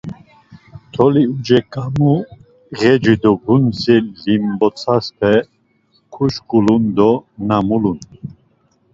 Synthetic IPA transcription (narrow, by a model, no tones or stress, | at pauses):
t̪ʰɔliud͡ʒɛkʼamu | ɣɛd͡ʒid̪ɔɡunsilimbɔt͡sʰaspʰɛ | kʰuʃkʼulund̪ɔnamulun